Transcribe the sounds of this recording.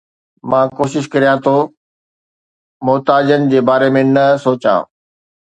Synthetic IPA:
mãːkoːʃɪʃkɐɾijãt̪ʰo | mʊɦt̪aːd͡ʑənɪ̆d͡ʑeːbaːɾemẽnɐsoːt͡ɕã̰ː

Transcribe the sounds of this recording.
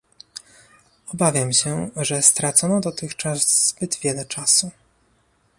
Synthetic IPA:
ɔbavʲjamɕɛʐɛst̪ɾat̪sɔnɔd̪ɔt̪ɘxt͡ʂaszbɘd̪vʲjɛlɛt͡ʂasu

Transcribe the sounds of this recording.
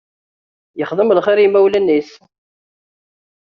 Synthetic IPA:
jəχðˤəmlχɪɾimæwlænːis

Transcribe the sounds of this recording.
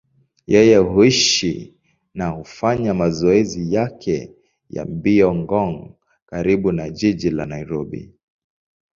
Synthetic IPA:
jɛjɛɦuiʃḭ | nahufaɲamazɔɛzijakʰɛ | ja̰mbiɔŋɡɔŋ | kaɾiɓunaʄiʄila̰naiɾɔɓḭ

